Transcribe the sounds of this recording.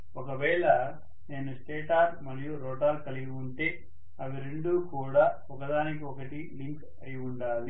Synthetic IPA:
ɔkɐʋɛːɭɐ | ne̞ːnusʈeːʈaːɾmɐɾijuɾoːʈaːlkɐliɡiuɳʈe̞ː | ɐʋiɾeɳɖuːkuːɽaː | ɔkɐd̪aːnik̬iɔkɐʈiliŋk | ɐjiuɳɖaːli

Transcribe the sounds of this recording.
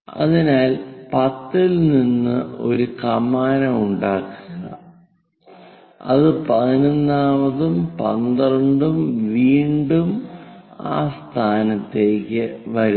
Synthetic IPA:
ɐ̰ðinaːlpɐt̪ːilninːɨo̞̰ɾukɐmaːnɐmuɳɖaːkːuɣɐ̰ | ɐ̰ðɨpɐðinonːaːʋɐðumpɐ̰nd̪ɐrɐɳɖumʋiːɳɖum | a̰ːst̪ʰaːnɐt̪ːe̞ːkʲːɨʋɐɾu

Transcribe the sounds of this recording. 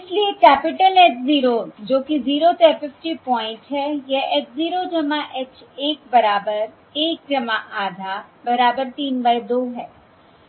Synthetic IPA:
ɪsliekɛːpɪʈəleːt͡ʃziːɾod͡ʒoːkiziːɾot̪ɛːpɪfʈipɔ̃ːɪ̃ɳʈɦɛːjɐet͡ʃziːɾod͡ʒɐmaʔɛt͡ʃeːk̚bɐɾaːbəɾ | eːk̚d͡ʒɐmaʔaːd̪ʱabɐɾaːbəɾt̪iːnbaid̪oːɦɛː

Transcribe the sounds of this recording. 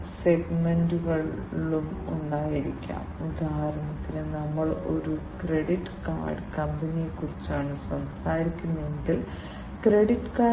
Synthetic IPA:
sekmenduɣɐɭːumuɳɖaːjiɾikʲːa̰ːmd̪ʱaːrɐmɐt̪ːinɨnɐmːɐɭo̞̰ɾukreɽiʈːɨ̥ka̰ːrɖkɐmbɐnijekːurit͡ɕːaːɳɨswɐmsaːɾikʲːunːɐeŋɡil | kreɽiʈːɨ̥kaː

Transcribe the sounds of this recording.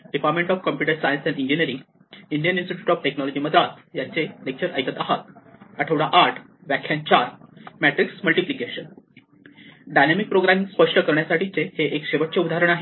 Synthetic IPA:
ɖipaɾʈmẽɳʈɔfkəmpjuʈəɾsajənsɛ̃ɳɖiɲd͡ʑinəɾiŋ | iɳɖijəninsʈiʈjuːʈɔfʈeknɔlɔd͡ʑiːməd̪ɾat̪jat͡selek̚t͡ɕəɾəjkət̪aɦat̪̚əʈʰeʋɽaʔaɾʈʰ | ʋjækʰjãnt͡ɕaɾmæʈɾiksməlʈiplikeɕən | ɖajnemik̚pɾoɡɾamiŋspəʂʈəkəɾɳjasaʈʰit͡seheʔekɕeʋəʈ̚t͡seud̪ʱaɾəɳ̃aɦe

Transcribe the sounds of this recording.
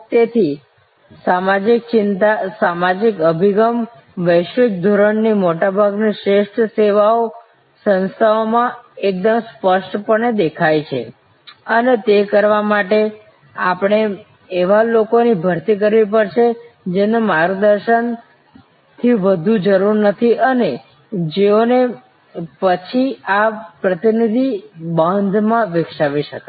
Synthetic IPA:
t̪et̪ʰi | samad͡ʒik̚t͡ʃɪnt̪asamad͡ʒikəbʱiɡəm | ʋəjʃɪk̚d̪ʱoɾəɳnimoʈabʱaɡniʃɾeʃʈʰseʋao | sə̃nst̪ʰaomãek̚d̪əmspəʃʈpəɳed̪ekʰajt͡ʃʰḛ | ənet̪ekəɾʋamaʈe | a̰pɽ̃eː | ʋalokonibʱəɾt̪ik̬əɾʋipəɾʃed͡ʒenemaɾɡd̪əɾʃən | t̪ʰiʋəd̪ʱũd͡ʒəɾuɾnət̪ʰiʔəne | d͡ʒeone | pət͡ʃʰiapɾət̪inid̪ʱibãnd̪ʱmãʋɪkʃaʋiʃəka

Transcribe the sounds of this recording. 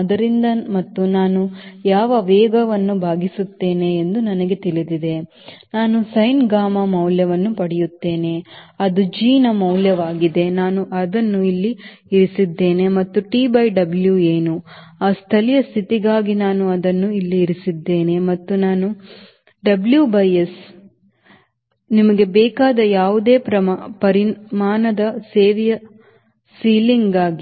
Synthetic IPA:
ɐd̪ɐɾind̪ɐmɐt̪ːunaːnujaːʋɐʋɛːɡɐʋɐnːubʱaːɡisut̪ːe̞ːne̞ːnd̪unɐnɐɡe̞t̪ilid̪id̪e̞ | naːnusɐjnɡaːmɐmɐwljɐʋɐnːupɐɽɛjut̪ːe̞ːne̞ɐd̪ud͡ʒiːnɐmɐwljɐʋaːɡid̪e̞naːnuʔɐd̪ɐnːuilːi | iɾisid̪ːe̞ːne̞mɐt̪ːuʈiːbɐjɖɐbljueːnuaːst̪ʰɐlijɐst̪ʰit̪iɡaːɡinaːnuɐd̪ɐnːuilːiːɾisid̪ːe̞ːne̞mɐt̪ːunaːnu | ɖɐbljuːbɐjes | nimɐɡe̞bɛːkaːd̪ɐjaːʋud̪e̞ːpɾɐmpɐɾimaːnɐd̪ɐseːʋjɐ | siːliŋɡɡaːɡi

